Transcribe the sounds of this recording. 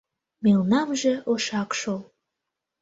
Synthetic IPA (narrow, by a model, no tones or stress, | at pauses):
melnɑmʒĕoʃɑkʃol